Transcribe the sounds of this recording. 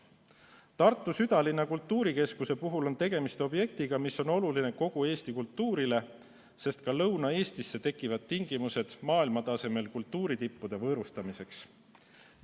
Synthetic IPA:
t̪ɑrt̪ːˑusyd̪ɑlinːɑkult̪ˑːuːɾike̞skuse̞puɦulo̞nt̪e̞ɡ̥e̞mist̪o̞bje̞kt̪iɡ̥ɑmisːo̞no̞luline̞ko̞ɡ̥ue̞ːst̪ikult̪ːuːɾile̞ | se̞st̪̚kɑlɤwnɑe̞ːst̪isːe̞t̪e̞kːˑivɑd̪̥̚t̪iŋɡ̥imuse̞d̪̥mɑːilmɑt̪ɑse̞me̞lkult̪ːuːɾit̪ipːud̪̥e̞vɤːɾust̪ɑmise̞ks

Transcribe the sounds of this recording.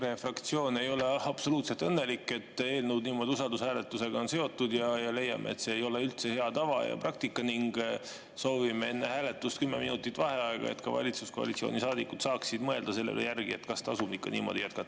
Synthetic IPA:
ɾe̞frɑkt̪sio̞ːne̞jo̞le̞ɑb̥so̞luːt̪se̞lt̪ɤnːe̞likːˑe̞t̪ːe̞ːlnud̪̚niːmo̞d̪iusɑld̪ushæːle̞t̪ːˑuse̞ɡ̥ɑo̞nse̞o̞t̪ːud̪jɑjɑle̞jːɑ̰mʔeet̪se̞ːjo̞le̞ylt̪se̞he̞ɑt̪ɑvɑ̰jɑ̰prɑk̚t̪ikːɑniŋɡ | so̞ːvimee̞nːehæːle̞t̪ːust̪kymːe̞minut̪ːˑit̪ːˑvɑhe̞ɑeɡ̥ɑ̰ḛt̪kɑvɑ̰lʲit̪susko̞ɑ̰lit̪sio̰ːnisɑːd̪ikːut̪sɑːksid̪̥mɤe̞ld̪̥ɑse̞lːḛlḛjærɡ̥ie̞t̪kɑst̪ɑsumikːˑɑnḭːmo̞̰d̪ijæt̪kɑt̪ːɑ̥

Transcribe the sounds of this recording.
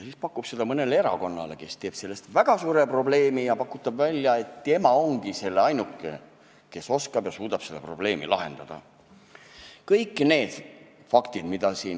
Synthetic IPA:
siːspɑkːˑub̥se̞d̪̥ɑmɤne̞lee̞ɾɑ̰ko̞nːɑ̰le̞ke̞st̪e̞ːb̥se̞lːe̞st̪væɡ̥ɑsuːɾe̞pro̞ble̞ːmijɑpɑkːˑut̪ːˑɑbvælʲːjɑe̞t̪ːe̞mɑo̞ŋɡ̥ise̞lːeɑjnukːˑḛ | ke̞so̞skɑb̥jɑsuːd̪̥ɑb̥se̞d̪̥ɑpro̞b̥le̞ːmḭlɑɦe̞̰nd̪̥ɑd̪̥ɑ̰ | kɤjkːˑne̞ːd̪̥ | fɑkt̪id̪mid̪̥ɑsiːn

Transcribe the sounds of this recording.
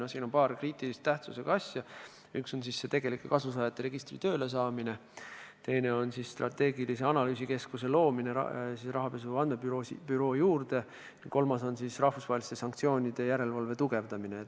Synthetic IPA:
nɑsiːno̞npɑːrkriːt̪ilist̪ːæht̪suse̞ɡ̥ɑɑsʲjɑ | ykso̞nsisːe̞t̪e̞ɡ̥e̞likːˑekɑsus̬ɑːjɑt̪ːˑeɾe̞ɡ̥ist̪rit̪ø̞ːle̞s̬ɑːmine̞t̪e̞jne̞o̞nsisːt̪rʔɑ̰t̪ːe̞ːɡilise̞ɑnɑlyːsike̞skuse̞lo̞ːmine̞̰sisrɑɦɑpe̞suvɑnme̞pyɾosḭpyɾo̞ːjuːrd̪e | ko̞lmɑso̞nsisrɑhfusvɑɦelist̪e̞sɑŋk̚t̪sio̞ːnʲid̪̥e̞jæɾe̞lvɑlve̞t̪uɡe̞vd̪̥ɑmine

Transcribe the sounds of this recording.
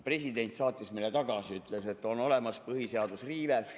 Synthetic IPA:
pre̞sid̪e̞nʲt̪sɑːt̪ʲːˑismejlet̪ɑɡ̥ɑsiyt̪ˑlese̞t̪ːˑo̞no̞le̞mɑspɤhiseɑd̪usriːve

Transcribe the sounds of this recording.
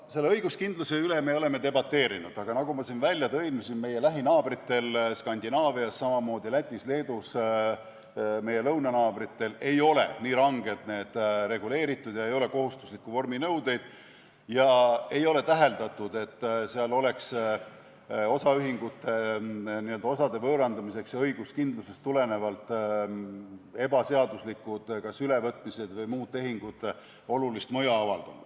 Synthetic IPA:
se̞lːeɤjɡ̥uskind̪̥luseylemeo̞le̞met̪e̞bɑt̪ːe̞ːɾinud̪̥ɑɡ̥ɑnɑɡ̥umɑsinvælʲjɑt̪ɤ̞imusinme̞je̞læɦinɑːb̥rit̪ːe̞lskɑnʲd̪inɑːviɑsːɑmɑmo̞ːd̪ilæt̪ʲːˑisle̞ːd̪us | me̞je̞lɤwnɑnɑːb̥rit̪ːe̞le̞jo̞le̞̰niːɾɑŋɡ̥e̞t̪ne̞ːd̪̥ɾe̞ɡule̞ːɾit̪ːˑud̪̥jɑe̞jo̞le̞ko̞ɦust̪u̥slikːuvo̞rminɤwd̪̥e̞jd̪̥ | jɑe̞jo̞le̞t̪æɦe̞ld̪ɑt̪ːˑud̪̥e̞t̪ːseɑlo̞le̞ks | o̞sɑyɦiŋɡ̥ut̪ːˑeniø̞ld̪ɑosɑd̪e̞vɤːɾɑnd̪ɑmise̞ksjɑɤjɡ̥uskind̪lusest̪ːule̞ne̞vɑlt̪ːˑ | e̞bɑse̞ɑd̪uslikːˑud̪̥kɑsyle̞vɤt̪ːˑmise̞d̪vɤjmuːd̪̥̚t̪ːe̞ɦiŋɡ̥ud̪̥ | o̞lulist̪mɤjɑɑvɑld̪̥ɑnṵd̪̥

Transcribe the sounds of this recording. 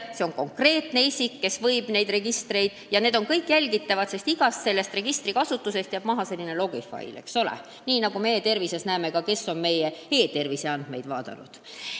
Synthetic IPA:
seo̞ŋko̞ŋkre̞ːt̪ne̞isʲikːe̞svɤjb̥ne̞jd̪̥re̞ɡ̥ist̪re̞jd̪̥jɑne̞ːd̪o̞nkɤjkːˑjælʲɡ̥it̪ːˑɑvɑt̪se̞st̪iɡ̥ɑsse̞lːe̞st̪re̞ɡ̥ist̪rikɑsut̪ːˑuse̞st̪ɑb̥mɑɦɑse̞lʲːine̞lo̞ɡ̥ifɑ̰j̰lḛkso̞lḛ | niːnɑɡ̥ume̞jet̪e̞rvise̞snæemekɑke̞sːo̞nme̞jehe̞ːt̪e̞rvise̞ɑnd̪̥me̞jd̪vɑːd̪̥ɑ̰nṵd̪̥

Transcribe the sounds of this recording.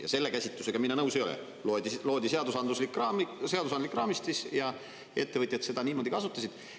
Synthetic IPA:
jɑ̰se̞lːekæsʲit̪luse̞ɡ̥ɑminɑnɤwsejolḛ | lod̪ilo̞ːd̪ise̞ɑd̪usɑnd̪uslikːrɑse̞ɑd̪usɑnd̪likːˑrɑːmist̪isjɑ | e̞t̪ːe̞vɨt̪ʲˑjɑt̪se̞d̪ɑniːmo̞ːd̪ikɑsut̪ːˑɑsid̪̥

